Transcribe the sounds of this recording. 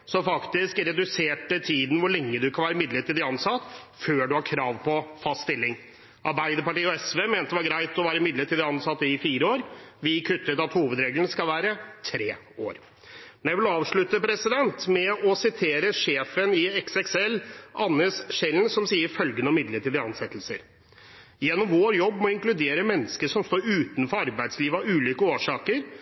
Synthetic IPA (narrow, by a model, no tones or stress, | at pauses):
sɔfɑkt̪ɪskɾɛd̪ʉseːʈət̪ʰiːd̪n̩ʋʊɭɛŋːəd̪ʉkʰɑnʋæːɾəmɪd̪ləʈiːd̪ɪɑnsɑt̪føːɖʉhɑɾkʰɾɑːʋpʰɔfɑst̪st̪ɪlːɪŋ | ʔɑɾbæɪd̪əɾpɑʈiːɔɛsʋeːmeːnt̪əʋɑɾɡɾæɪt̪ɔʋæːɾəmɪd̪ləʈiːd̪ɪɑnsɑt̪ːɪfiːɾəoːɾʋɪkʰʉt̪ːət̪ɑt̪huːʋəd̪ɾeːɡlənskɑlʋæːɾət̪ʰɾeː | o̰ːɾ | mɛnjæɪʋɪlɑːʋʂɭʉt̪ːəpʰɾɛsɪd̪ɛnt̪mɛɔsɪt̪ʰeːɾəʂeːfənɪɛksɛksɛlːɑnːəsʂɛlnsɔmsiːəɾfœlɡənəɔmɪd̪ləʈiːd̪əɑnsɛt̪lsə̰ɾ | jɛnːɔmʋoːɾjɔbːmɔɪŋklʉd̪eːɾəmɛnːəskəʂɔmst̪oːɾʉːt̪nfɔɾɑɾbæɪd̪sliːʋɑʉːliːkəoːʂɑːkəɾ